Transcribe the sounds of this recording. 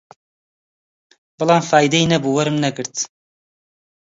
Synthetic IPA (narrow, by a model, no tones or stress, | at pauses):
bɨlˠɑːmfaːjid̪ɐinɐbuːwɐɾɨmnɐɡɨɾt̪